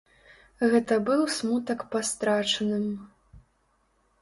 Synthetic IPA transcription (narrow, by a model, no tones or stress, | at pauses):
ɣɛt̪ɐbɨwsmut̪ɐkpast̪ɾat͡ʂɐnɨm